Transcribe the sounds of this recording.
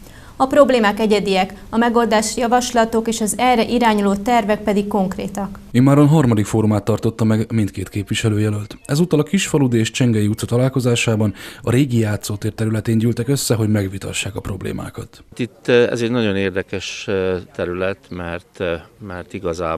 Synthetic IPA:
ɒpro̞bleːmaːkɛɟɛd̪iɛkɒmɛɡo̞ld̪aːʃjɒvɒʃlɒt̪o̞keːʃɒzɛrɛʔiɾaːɲuloːt̪ɛrvɛk̚pɛd̪ikːo̞ŋkrḛːt̪ɒk | imːaːɾonɦɒrmɒd̪ikfoːɾumaːt̪ːɒrt̪o̞t̪ːɒmɛɡmint̪̚keːt̪keːpʋiʃɛløːjɛlølt̪ɛzuːt̪ːɒlɒkiʃfɒlud̪eːʃt͡ʃɛŋɡɛjiut̪sɒt̪ɒlaːlko̞zaːʃaːbɒnɒɾeːɡijaːt̪soːt̪eːrt̪ɛɾylɛt̪eːɲɟyːlt̪ɛkøsːɛɦo̞ɟmɛɡʋit̪ɒ̰ʃːaːkɒpro̞blḛːma̰ːkɒt̪t̪it̪ːɛ̰zɛɟnɒɟo̞neːrd̪ɛkɛʃt̪ɛɾylɛt̪mɛrt̪mɛrt̪iɡɒza̰ː

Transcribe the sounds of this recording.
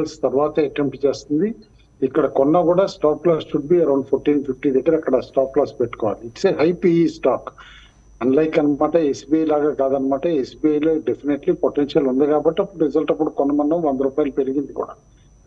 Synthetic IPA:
lst̪ɐɾuʋaːt̪ɐɐʈemʈt͡ʃe̞ːst̪und̪i | ikːɐɽɐkɔnːɐkuːɽaːsʈaːk̚plaːsʃuɖ̚biːɐɾɐwɳɖpʰoːɾʈiːnpʰifʈiːd̪ekːɐɾɐkːɐɽɐsʈaːk̚plaːspeʈːu̥kɔːʋa̰ːliʈsejɦɐjpiisʈaːk | ɐnlɐjkɐnɐmaːʈɐesbiɐjlaːɡaːkaːd̪ɐnːɐmaːʈɐesbiɐjloːɖefineʈlipoʈenʃɐlund̪ikaːbɐʈːiɐpːuɽuɾizɐlʈɐpːuɽukɔnːɐmɐnɖɐmʋɐnd̪ɐɾuːpaːjɐlɐpeɾiɡind̪ikṵːɽa̰ː

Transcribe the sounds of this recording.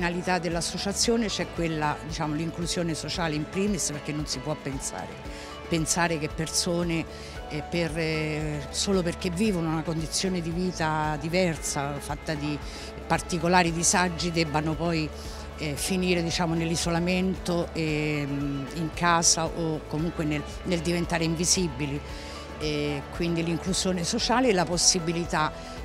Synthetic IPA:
nalit̪ad̪ːelːasːot͡ʃat̪sːjoːnet͡ʃɛkːwelːad̪it͡ʃaːmoliŋkluzjoːnesot͡ʃaːleimpɾiːmisperk̟ːenːonsipwɔpːensa̰ːɾe | pensaːɾekepːersoːne | per | soːloperk̟evːiːvonounakond̪it̪sːjoːned̪iviːt̪ad̪ivɛrsafat̪ːad̪i | part̪ikolaːɾid̪isad͡ʒːid̪ɛbːanopɔj | ɛfiniːɾed̪it͡ʃaːmonelːizolament̪oɛ | iŋkaːzaʔokːomuŋkwene | neld̪ivent̪aːɾeiɱvizibili | ɛkwind̪iliŋkluzjoːnesot͡ʃaːleɛlaposːibilit̪a

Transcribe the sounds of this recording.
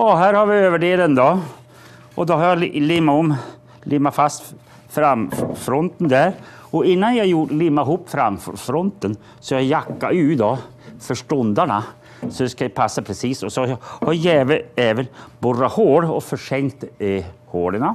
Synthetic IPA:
jɑɦæːɾhaɾvʋɪøːvəɖeːlənd̪ɔ | ʔɔd̪ɔɦaɾjɑlɪmːaɔm | lʔimːafast̪ | fɾamfɾɔnt̪ənd̪æɾ | ɔɪnːanjɑjulimːaɪɦuːpːfɾamfɾɔnt̪ən | sɔjɑjakːaʉ̟ːd̪ɔ | fœʂʈɔnd̪aɳa | sɔd̪ɛskapʰasːapʰɾɛsiːsɔsɔhajɛːvəɛːvənbɔrahoːɖɔfœʂɛŋkt̪hoːɖəɳa

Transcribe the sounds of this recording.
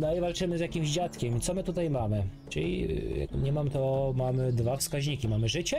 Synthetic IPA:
nɔivalt͡ʂɘmɘzʲjakʲimʑd͡ʑat̪kʲɛmit̪sɔmɘt̪ut̪ajmamɘ | t͡ʂɘlʲḭja̰kɲɛmamt̪ɔmamɘd̪vafskaʑɲikʲimamɘʐɘt͡ɕɛ

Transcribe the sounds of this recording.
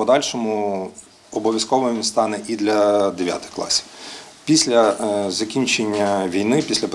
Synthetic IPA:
pɔd̪ɑlʲʃɔmʊ | ɔbɔʋʲjɐskɔʋɪmst̪ɑnɛʔid̪lʲɐd̪eʋʲja̰t̪ɪ̥xklˠɑ̰sʲi̥w | pʲisʲlʲɐzɐkʲinʲt͡ʃenʲːɐʋʲijnɪpʲisʲlʲɐp

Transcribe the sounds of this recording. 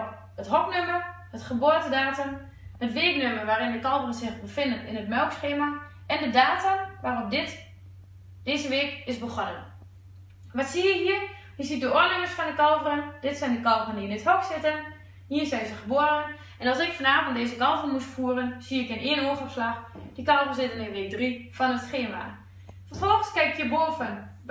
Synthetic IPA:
ətɦɔknømər | hətχəboətədaːtəm | hətʋeːknømərʋaːrɪndəkɔlˠvərənsɪχbəfɪndənɪ̰nətmɛlˠksxeːma | ɛndədaːtəʋaːrɔp̚dɪt | deːzəʋeːkɪsbəχɔnə̰n | ʋɔtsiəɦiːər | jəsit̚dəoəlɪŋəsfɔndəkɔlˠvərənd̥ɪtsɛndəkɔlˠvərəndiɪnɪthɔksɪtən | hiːənsɛjsəχəboəɾən | ɛnɑlˠsɪkfɔnaːvntdeːzəkɔlˠvərənmustfuərənsiɪkənɪənoːxɔpslaxd̥əkɔlˠvərsɪtənɪnʋɪːk̚drifɔnətsxeːma̰ | fəfɔlˠxənskɛɪkjəboːfən

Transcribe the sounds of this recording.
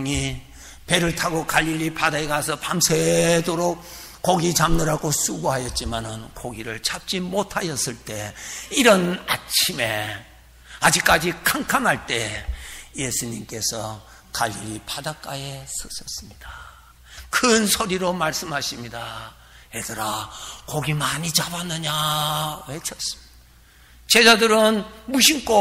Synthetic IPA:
ŋi | pe̞ɾɯɭtʰaɡokaʎːiʎːipadaeɡasʰʌpamsʰedoɾok̚ | k͈ːoɡit͡ɕamnɯɾaɡos͈uɡoɦajʌt̚t͡ɕ͈imanɯnkoɡiɾɯɭt͡ɕʰap̚t͡ɕ͈imotʰajʌs͈ɯɭt͈e̞iɾʌnat͡ɕʰime̞ | ad͡ʑik͈̚ad͡ʑikʰaŋkʰanɦaɭt͈e̞ | je̞sʰuɲimk͈e̞sʰʌ | kaʎːiɾipadak͈ajesʌsʰʌs͈ɯmɲid̥a | kʰɯnsʰoɾiɾomaɭs͈ɯmɦaɕʰimɲida | edɯɾakoɡimaɲit͡ɕabanːɯɲawet͡ɕʰʌs͈ | t͡ɕe̞d͡ʑadɯɾɯnmuɕ̬ʰiŋk͈o

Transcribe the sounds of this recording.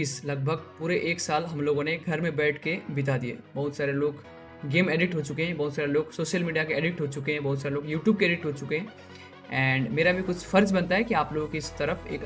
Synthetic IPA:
iːslɐɡ̚bʱəɡ̚puːɾeʔeːksaːlɦɐmloːɡõneɡʱɐɾmẽbɛːʈʰkebɪt̪̬ad̪iḛːbɐɦʊt̪saːɾeloːɡ | ɡeːmeːɖɪʈɦot͡ʃʊkeɦɛ̃bɐɦʊt̪saːɾeloːɡsoːʃəlmiːɖijakeeːɖɪʈɦot͡ʃʊkeɦɛ̃bɐɦʊt̪saːɾeloːɡjuːʈjuːb̚keːɖɪʈɦot͡ʃʊkeɦɛ̃ | ɛ̃ːɳɖmeːɾabʱikʊt͡ʃʰfɐɾd͡ʒbɐnt̪aɦɛkiaːploːɡõkiɪst̪ɐɾəfḛːk

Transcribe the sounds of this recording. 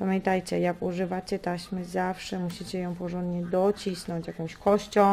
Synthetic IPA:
pamʲjɛnt̪ajt͡ɕɛjakuʐɘvat͡ɕɛt̪aɕmɘzafʂɛmuɕit͡ɕɛjɔ̃w̃pɔʐɔ̃nd̪ɲɛd̪ɔt͡ɕisnɔ̃ɲt͡ɕjakɔ̃w̃ɕkɔɕt͡ɕɔ̃

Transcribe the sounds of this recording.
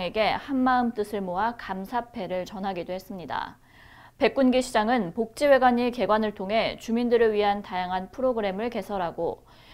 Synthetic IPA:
ŋe̞ɡe̞hanmaɯmt͈ɯsʰɯɭmoɦakamsʰapʰe̞ɾɯɭt͡ɕʌnɦaɡidoɦe̞s͈ɯmɲida̰ | pe̞k͈unɡiɕʰid͡ʑaŋɯnpok̚t͡ɕ͈iwe̞ɡwaɲike̞ɡwanɯɭtʰoŋɦe̞t͡ɕumindɯɾɯɭɥiɦantajaŋɦanpʰɯɾoɡɯɾe̞mɯɭke̞sʰʌɾɦaɡo

